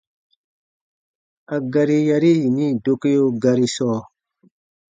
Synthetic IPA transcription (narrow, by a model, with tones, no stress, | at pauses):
a˨ɡa˧ɾi˧ja˧ɾi˦ji˨nĩ˦˨do˧ke˦jo˦ɡa˧ɾi˧sɔː˦